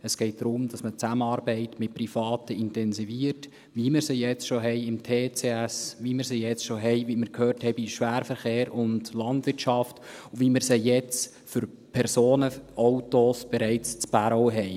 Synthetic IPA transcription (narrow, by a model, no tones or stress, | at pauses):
əsɡ̥ɛɪt̚d̥ɾʊmd̥ɑsmət͡sæməɑɾbɛɪtmɪt̚prifɑːtəɪntɛnsiviəɾt | ʋimɪɾsejɛt͡sʃoɦɛɪɪmtʰeːt͡seæsʋimɪɾsejɛt͡sʃoɦɛɪʋiməɾkʰhøːrthɛɪbiʃʋæːɾfəɾχeːɾʊndlɑndvɪɾtʃɑftuvimɪɾsejɛt͡s | fʏɾ | pʰɛɾsoːnəʔɔwtosb̥ɛɾɛɪt͡st͡spæɾoɦɛɪ